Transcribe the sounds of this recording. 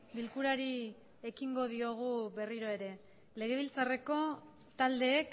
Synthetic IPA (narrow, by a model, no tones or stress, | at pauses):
bilkuɾaɾi | ekiŋɡo̞ð̞io̞ɣ̞uβe̞riɾo̞e̞ɾe̞ | le̞ɣe̞βilt͡sare̞ko̞ | t̪ald̪e̞ːk